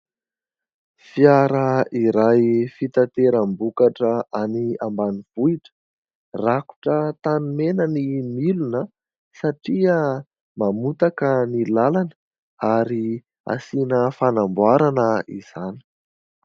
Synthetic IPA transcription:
fiaɾəiɾajfit̪at̪eɾəmbukaʈ͡ʂəʔaniambaniv̥uiʈ͡ʂə̥ | raku̥ʈ͡ʂət̪animenənimilunə | saʈ͡ʂiə | mamut̪akənilalanə | aɾi | a̰sinəfanambwaɾanəḭz̥ani̥

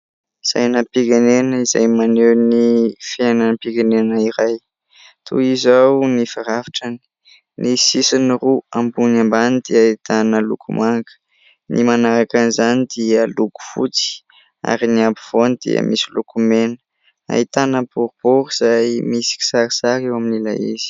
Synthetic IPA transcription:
z̥a̰jnapiɡanenəiza̰jmanewnifananpiɡanenəiɾaj | t̪ʰṵizawnifaɾavḁʈ͡ʂani̥ | nisisiniruambunambanid̪̥iait̪anəlṵkumaŋɡə̥ | nimanaɾakanizanid̪iəluku̥fṵt͡si̥ | a̰ɾiniabiv̥onid̪̥ḭə̰mʔisilukumenə̥ | a̰it̪anəbuɾub̥uɾuiz̥ajmisi̥ki̥saɾisaɾewaminila̰iz̥i̥

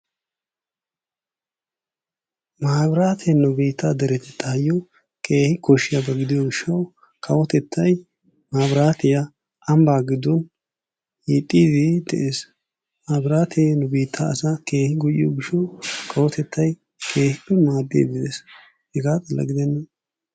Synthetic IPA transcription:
maːbɾaːt̪ʰenʊbiːt̪ːad̪ɛɾɛt̪ɛt̪ːɐɐjːɔ | kʰeːhɪkɔʃːɪjɐbɐɡɪd̪ɪjoɡɪʃːɐw | kʰɐwɔt̪ɛt̪ʰːɐj | maːbɾaːt̪ɪjɐ | ʔɐmbaːɡɪd̪ɔn | jit̪ʼːiːd̪ɪd̪ɛ̰ʔeːs | maːbɾaːt̪ʰeːnʊbiːt̪ʰːaɐsakeːhɪɡʊʔɪjoɡɪʃːɐwkʰɐwɔt̪ɛt̪ʰːɐj | kʰe̞ːhɪpːɛmaːd̪ːḛːɡɪd̪es | hɛɡaːt̪ɐlːɐ̰ɡɪd̪ɛnːɐ

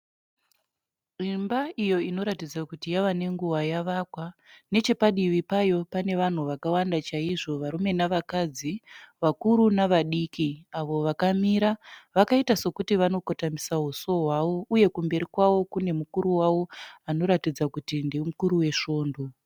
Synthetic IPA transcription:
rimbaʔijo̞ino̞ɾatid͡zakutijaʋane̞ŋɡuwajaʋakwane̞t͡ʃe̞paɗiʋipajo̞pane̞ʋan̤uʋakawandat͡ʃaiʐo̞ʋaɾume̞naʋakad͡ziʋakuɾunaʋaɗiːkiaʋo̞ʋakamiɾaʋakaitaso̞kutiʋano̞kotamisaɦuso̞ɦwaʋo̞uje̞kumbe̞ɾikwawo̞kune̞mukuɾuwawo̞ano̞ɾatid͡zakutindemukuɾuwe̞ʃo̞ːndo̞

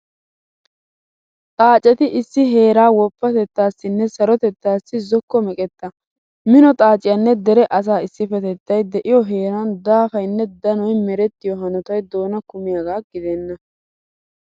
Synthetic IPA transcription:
t̪ʼaːt͡ʃʼɛt̪ɪʔɪsːɪɦe̞ːɾaːwɔpːɐt̪ɛt̪ːaːsːɪnːɛsɐɾɔt̪ɛt̪ːaːsːɪzɔkːɔmɛkʼɛt̪ːɐ | mɪnɔt̪ʼaːt͡ʃʼɪjɐnːɛd̪ɛɾɛʔɐs̬aːɪsːɪfɛt̪ɛt̪ːɐjd̪ɛʔɪjɔɦe̞ːɾɐnd̪aːfɐjnːɛd̪ɐnɔjmɛɾɛt̪ːɪjɔɦɐnɔt̪ɐjd̪o̞ːnɐkʊmɪjaɡaːɡɪd̪ɛnːɐ

